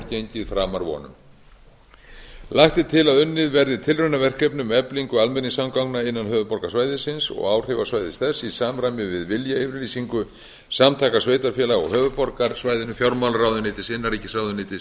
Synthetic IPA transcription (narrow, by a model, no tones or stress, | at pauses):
ceɲcɪðfɾaːmaɾvɔ̰nʏ̰m | laxt̪ɪt̪ʰɪlaðʏnːɪðvɛɾðɪt̪ʰɪlrœɥnavɛr̥kœpnʏmɛpliŋkʏalmɛnːɪsamkawknaɪnːanɦœːvʏpɔɾkasvaːjðɪsɪnsɔ̰ɣaːwr̥ɪvasvaːjðɪst̪θɛsːisaːmɾamʏvɪðvɪljaɪvɪɾliːsiŋkʏ | samt̪ʰaːkasveːjt̪aɾfjɛːlaɣɔ̰ɣhœːvʏpɔɾkaɾsvaːjðɪnʏfjawɾmawlɾrawðʏneːt̪ɪsɪnːaɾiːcɪsawðʏneːt̪ɪs